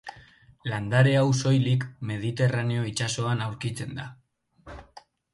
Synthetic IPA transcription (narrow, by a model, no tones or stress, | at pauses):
land̪aɾe̞awso̞jlikme̞ð̞it̪e̞rane̞o̞it͡ʃaso̞anawɾkit͡se̞nd̪a